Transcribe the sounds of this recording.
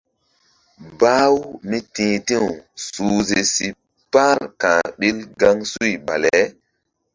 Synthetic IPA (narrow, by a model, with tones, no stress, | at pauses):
baː˦wmi˦tĩː˨˦tĩ˦wsuː˨ze˨si˨ | pa˦ɾkã˨ɓi˦lɡa˦ŋsu˦jba̰˨le˨˦